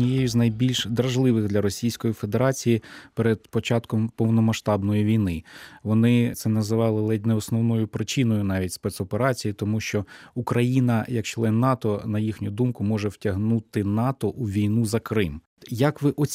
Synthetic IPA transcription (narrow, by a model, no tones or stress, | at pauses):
nʲijejʊznɐjbʲilʲʃd̪ɾɐʒlˠɪʋɪɣd̪lʲɐɾɔsʲijsʲkɔjifed̪e̞ɾɑt͡sʲijipeɾed̪̚pɔt͡ʃɑt̪kɔmpɔwnɔmɐʃt̪ɑbnɔjiʋʲijnɪʋɔnɪt̪sɛnɐzɪʋɑlˠɪlˠtʲnɛɔsnɔwnɔjʊpɾɪt͡ʃinɔjʊnɑʋʲitʲspɛt̪sɔpeɾɑt͡sʲijit̪ɔmuʃt͡ʃɔukɾɐjinɐjɐkt͡ʃlˠɛnːɑt̪ɔnɐjixnʲʊd̪umkʊmɔʒɛwtʲɐɦnut̪ɪnɑt̪ɔʔuʋʲijnuzɐkɾɪm | jɐkʋɪʔɔ